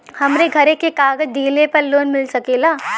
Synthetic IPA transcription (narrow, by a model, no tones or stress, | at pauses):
hɐmɾeɡʱɐɾekekaːɡəd͡ʒd̪iːlepɐɾloːnmɪlsɐkeːlaː